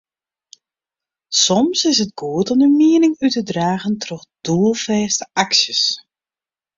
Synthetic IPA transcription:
sɔmsɪsət̚ɡ̥uətɔmdəmiənɪŋytədraːɣəntʰrɔxd̥uəlˠfɛːstəaksjəs

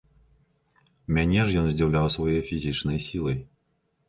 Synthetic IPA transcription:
mʲanʲɛʐjɔnzʲdʲiwlʲawsvɔjejfʲizʲit͡ʂnɨjsʲilˠəj

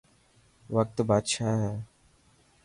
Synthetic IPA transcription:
ʋək̚t̪baːd̪ʃaːɦɛː

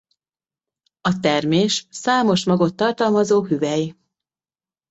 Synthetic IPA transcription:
ɒt̪ɛrmeːʃsaːmo̞ʃmɒɡo̞t̪ːɒrt̪ɒlmɒzoːɦyvɛji

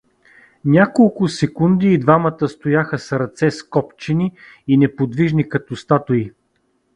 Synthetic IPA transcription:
nʲakolˠkʊsɛkund̪iːd̪vamət̪əst̪ojaxəsɾɐt̪sɛskɔpt͡ʃɛni | inɛpod̪viʒnikɐt̪ost̪at̪ʊi

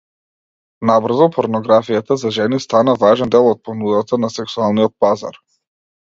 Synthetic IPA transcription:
nabr̩zɔpʰɔɾnɔɡɾafijat̪azaʒɛnist̪anavaʒɛnd̪ɛlˠɔt̪̚pɔnud̪at̪anasɛksualˠniɔt̪̚paza̰ɾ

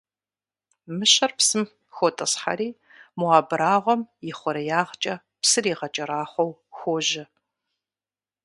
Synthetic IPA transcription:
mɨɕɐrpsɨm | xʷotʼɐsħa̰ɾiː | muaːbɨɾaːʁʷɔmjɪχʷɔɾɐjaːʁt͡ʃʼɐ | psɨriːʁɐt͡ʃʼɐɾaːχʷɔwxʷoːʒɪ

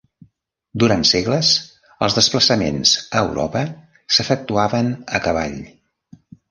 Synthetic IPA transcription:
d̪uɾant̪seɣləz | ə̰lˠzðəspləsəmḛnz̥ə̰ːwɾʔɔ̰pə | səfək̚t̪uaβənəkəβa̰ʎ

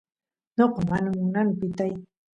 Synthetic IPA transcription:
noqɑmanamʊnanpɪt̪aj

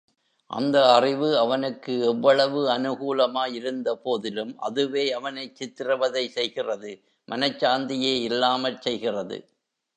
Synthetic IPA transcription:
ʔɐ̰nd̪ɐːrɪʋɯɐʋɐnɯkːɯɛʋːɐɭɐʋɯɐnɯɣuːlɐmaːjɪɾɯnd̪ɐpoːðɪlɯmʔɐ̰ðɯʋeːɐʋɐnɐɪt͡ʃːɪt̪ːɪrɐʋɐðɐɪsɛjɣɪrɐðɯ | mʔɐnɐt͡ʃːaːnd̪ɪjeːɪlːaːmɐlsɛjɣɪrɐðɯ̰

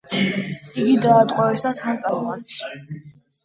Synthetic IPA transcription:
iɡid̪aːt̪ʼqʼɔɛsat̪ʰant̪sʼamɔʁʼanis

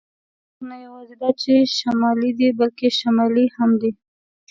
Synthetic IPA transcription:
najawɑzed̪ɑt͡ʃeʃamɑlid̪ibalkeʃamɑlihamd̪i

